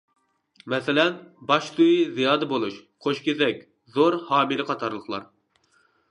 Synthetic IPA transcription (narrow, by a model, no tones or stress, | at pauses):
mɛsɪlɛnbɑʃt̪ujizijɑːd̪ɨbolˠuʃqʰoʃkʲezɛk̚ʲ | zoɾhɑːmiɾɨqʰɑt̪ʰɑɾlˠəχlˠɑ̰ɾ